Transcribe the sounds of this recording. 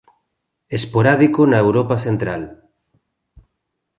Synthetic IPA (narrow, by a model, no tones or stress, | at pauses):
espoɾaðikonaewɾopaθent̪ɾal